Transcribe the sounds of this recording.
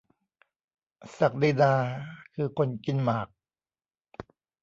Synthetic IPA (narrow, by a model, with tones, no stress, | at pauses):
sa˨˩k̚diː˧naː˧kʰɯː˧kʰo˧nki˧nmaː˨˩k̚